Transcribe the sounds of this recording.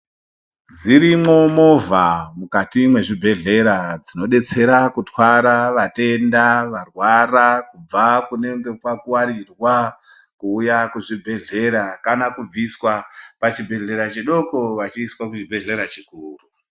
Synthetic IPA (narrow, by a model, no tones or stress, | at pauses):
d͡ziɾimo̞mo̞vʱamukatimwe̞ʐibʱe̞ɮe̞ɾad͡zino̞ɗe̞t͡se̞ɾakutwaɾaʋate̞ndaʋarwarakub͡vakune̞ŋɡe̞kwakuwaɾirwa | kuːjakuʐibʱe̞ɮe̞ɾakanakub͡viswapat͡ʃibʱe̞ɮe̞ɾat͡ʃeɗo̞koʋat͡ʃiːswakut͡ʃibʱe̞ɮe̞ɾat͡ʃikuːru